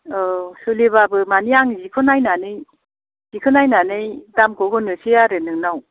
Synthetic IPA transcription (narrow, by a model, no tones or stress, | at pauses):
ɔsɯliβabɯmaniaŋzikʰɯnajnanɯj | z̥ikʰɯnajnanɯjdamkʰɔɡɯnɯsijaɾenɯŋnaw